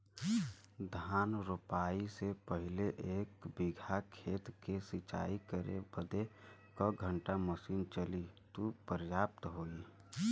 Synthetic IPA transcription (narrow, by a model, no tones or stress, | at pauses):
d̪ʱaːnɾʊpaːisepəɦɪleʔeːkbɪɡʱakʰeːt̪kesɪt͡ʃa̰ːikəɾḛbəd̪ekəɡʱə̃ɳʈaməsiːnt͡ʃəlit̪upəɾjaːp̚t̪ɦoːiː